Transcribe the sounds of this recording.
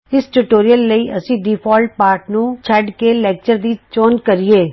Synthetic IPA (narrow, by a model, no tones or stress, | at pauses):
ɪsʈuʈoːɾijəlːəiʔɐsĩɖiːpʰɔːlʈ̚paːɾʈnũt͡ʃʰɐɖkelɛːk̚t͡ʃəɾd̪it͡ʃoːnkɐɾieː